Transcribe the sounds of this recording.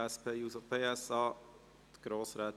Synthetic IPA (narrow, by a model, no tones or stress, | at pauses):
ɛspʰeːjuːsɔpʰeːɛsɑː | ɡ̥ɾoːsɾɛ